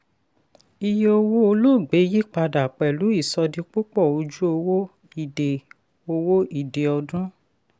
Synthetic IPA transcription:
i˧je˧o˧wo˦o˧lo˦˨ɡ͡be˨˦ji˦k͡pa˧da˨k͡pɛ˨lu˨˦i˦˨sɔ˧di˧k͡pu˦k͡pɔ˦˨o˧d͡ʒu˦o˧wo˦ | i˨de˨ | o˧wo˦i˨de˨ɔ˧dũ˦

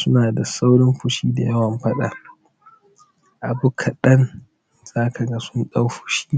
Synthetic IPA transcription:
sʊ˦naː˨da˨sa˦wɽɪ˦mɸʊ˨ʃiː˦da˨jɐ˦wɐ˨mɸɐ˦ɗa̰˨ | ʔa˨bʊ˦kʰa˨ɗɐ˦n | z̥aː˦kʰa˨ɡa˦sʊ˦nɗa˦wɸʊ̥˨ʃi̥ː˦

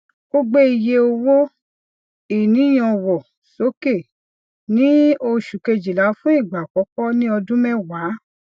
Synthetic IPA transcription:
ɡ̥o˦ɡ͡be˦i˧je˧o˧wo˦ | i˨nĩ˨˦j̃ɔ̃˧wɔ˨ | so˨˦ke˦˨ | nĩ˦o˧ʃu˨ke˧d͡ʒi˨la˨˦fũ˦i˦˨ɡ͡ba˨kɔ˨˦kɔ˦nĩ˦ɔ˧dũ˦mɛ̃˦˨waː˨˦

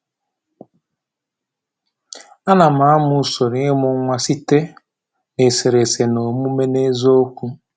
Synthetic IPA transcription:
a˦na˨m̩a˨˦a˦mʊ˨so˨ɾi˨e˦mʊ˦ŋʷa˦si˦te˦ | ne˨se˨ɾe˨se˨no˨mu˦me˦ne˦zo˦kʷu˦

